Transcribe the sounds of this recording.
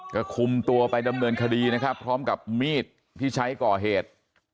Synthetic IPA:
ka˥˩kʰu˧mt̪u˧ɐpa˧jda˧mnɤː˧nkʰa˧diː˧na˦˥kʰa˦˥pʰːɾɔː˦˥mka˨˩p̚miː˥˩t̪ʰːiː˥˩t͡ɕʰa˦˥jkɔː˨˩ɦeː˨˩t̪̚

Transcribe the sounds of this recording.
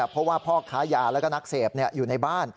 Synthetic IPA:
pʰɾɔ˦˥waː˥˩pʰɔː˥˩kʰaː˦˥jaː˨˩lɛː˦˥kɔː˥˩na˦˥k̚seː˨˩p̚ni˥˩ɐjuː˨˩na˧jbaː˥˩n

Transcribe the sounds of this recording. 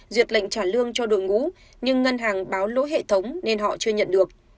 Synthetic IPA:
zwi˨˩ət̚la̰˧˨ŋ̟t͡ɕaː˧˩nlɨ˧əŋt͡ɕɔ˧ɗu˧˨jŋṵ˧˥ | ɲɨ˧ŋːə˧nɦaː˨˩ŋɓaː˨˦wlo̰˧˥jɦḛ˧˨t̪ʰə˨˦wŋ͡mne˧nɦɔ̰˧˨t͡ɕɨ˧əɲə̰˧˨nɗɨ˨˩ək̚

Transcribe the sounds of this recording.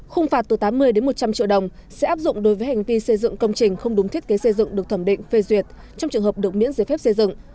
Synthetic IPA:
xʊ˧ŋ͡mfaː˨˩t̚t̪ɨː˨˩t̪aː˨˦mːɨ˧əjɗe˨˦nmo˨˩t̚t͡ɕa˧mt͡ɕḭ˧˨wɗə˨˩wŋ͡msɛ̰˧˥ʔaː˦˥p̚zʊ̰˧˨ŋ͡mɗo˨˦jvəː˨˦jha˨˩jŋ̟vi˧sə˧jzɨ̰˧˨ŋkə˧wŋ͡mt͡ɕï˨˩ŋ̟xə˧wŋ͡mɗʊ˨˦t̪ʰi˦˥t̚ke˨˦sə˧jzɨ̰˧˨ŋɗɨ˨˩ək̚t̪ʰə˧˩mɗḭ̈˧˨ŋ̟fe˧zwi˨˩ət̚ | t͡ɕɔ˧ŋ͡mt͡ɕɨ˨˩əŋɦəː˨˩p̚ɗɨ˨˩ək̚mḭ˧˥ənze˧˩fɛ˦˥p̚se˧zɨ̰˧˨ŋ

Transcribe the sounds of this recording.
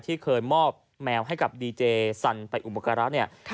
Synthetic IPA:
t̪ʰiː˥˩kʰɤː˧jmɔː˥˩p̚ | mɛː˧wɦa˥˩jka˨˩p̚diː˧t͡ɕeː˧sa˧npa˧jʔu˨˩pa˧˩ka˧ɾa˦˥ni˥˩ɐ

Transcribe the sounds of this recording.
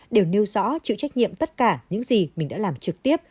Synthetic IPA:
ɗe˨˩wne˧wzɔ̰˧˥t͡ɕɨ̰˧˨t͡ɕa˦˥jk̟̚ɲḭ˧˨əmt̪ə˦˥t̚kaː˧˩ɲɨ̰˧˥ŋzi˨˩mi˨˩ŋ̟ɗa̰ː˧˥laː˨˩mt͡ɕɨ˨˩k̚t̪i˦˥əp̚

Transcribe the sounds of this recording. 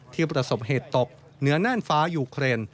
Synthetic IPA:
t̪ʰiː˥˩pɾa˧so˨˩p̚heː˨˩t̪ːo˨˩k̚ | nɯ˩˦ɐnaː˥˩nfaː˦˥juː˧kʰɾeː˧n

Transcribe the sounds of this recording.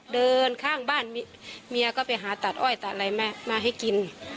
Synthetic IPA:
dɤː˧nkʰaː˥˨ŋbaː˧˥˩n | mi˧ɐ˧ka˧˩pa˨˩jɦaː˨˦t̪a˨˩t̪̚ʔɔː˧˥˩jt̪a˨˩t̪̚la˧˦jma˧maː˧ɦa˧˥˩jki˨n

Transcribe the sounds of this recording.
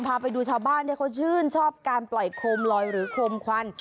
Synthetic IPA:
mpʰaː˧pa˧jduː˧t͡ɕʰaː˧˥˩wbaː˥˩ndaː˥˩kʰa˥˩wt͡ɕʰɯː˥˩nt͡ɕʰɔː˥˩p̚kaː˧nplɔ˨˩jkʰoː˧mlɔː˧jɾɯː˩˦kʰoː˧mkʰwa˧n

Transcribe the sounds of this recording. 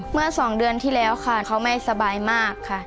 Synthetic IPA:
mɯ˥˩ɐsɔː˩˦ŋdɯ˧ənt̪ʰiː˥˩lɛː˦˥wkʰa˥˩kʰa˦˥wma˥˧jsa˧baː˧jmaː˥˩kʰːa˥˩

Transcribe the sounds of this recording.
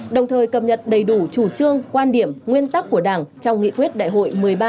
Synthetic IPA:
ɗə˨˩wŋ͡mt̪ʰəː˨˩jkə˨˩p̚ɲə˨˩t̚ɗə˨˩jɗu˧˩t͡ɕu˧˩t͡ɕɨ˧əŋkwaː˧nɗi˧˩əmŋwi˧ənt̪a˦˥k̚ːu˧˩əɗaː˧˩ŋt͡ɕɔ˧wŋ͡mŋḭ˧˨kwi˦˥t̚ɗa̰ː˧˨jɦo̰˧˨jmɨ˨˩əjɓaː˧

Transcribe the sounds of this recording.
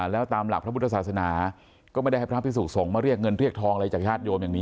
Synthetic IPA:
lɛː˦˥wt̪aː˧mla˨˩k̚pɾa˦˥pu˦˥t̪ːʰsaː˨˩t̪sa˧naː˩˦ | kɔː˥˩m˦˥˩ja˥˩pʰɾʰpʰi˥suː˨˩t̪̚so˨˩˦ŋmaː˥˩ɾi˥˩ək̚ŋɤ˧nɾi˥˩ək̚t̪ʰɔː˧ŋ˧ɾa˧t͡ɕaː˨˩k̚t͡ɕʰaː˥˩t̪̚joː˧mja˨˩ŋniː˦˥

